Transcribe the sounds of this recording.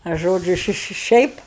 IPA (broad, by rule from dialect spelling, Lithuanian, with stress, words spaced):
ɐ ˈʒoːd͡ʒʲʊ ˈʃʲɪ ˈʃʲɪ ˈʃʲɛɪp